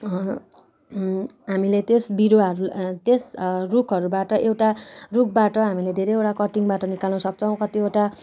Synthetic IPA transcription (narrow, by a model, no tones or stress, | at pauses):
ɦamilet̪esbiɾoɦʌɾut̪esrukʰɦʌɾubaʈʌʔewʈaruk̚ʰbaʈʌɦamiled̪ʱeɾejewʈakʌʈiŋbaʈʌnikalnʌsʌk̚t͡sʰʌw̃kʌt̪ieʈa